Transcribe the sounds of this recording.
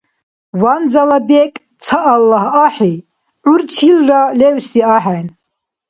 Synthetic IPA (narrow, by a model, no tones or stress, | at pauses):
wand͡zalabɛkʼ | t͡sʰaʔːlːaɦaħi | ʕuɾt͡ʃʰilralɛvsiaħan